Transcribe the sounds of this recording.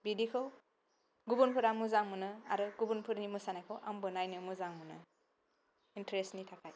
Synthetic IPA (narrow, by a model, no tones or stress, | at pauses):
bidikʰɯw | ɡubunpʰɯɾamuzaŋmɯnɯa̰ɾɯɡubunpʰɯɾnimɯsanajkʰɯwʔa̰mbɯnajnɯmuzaŋmɯnɯ̰ | intɾestnitʰakʰaj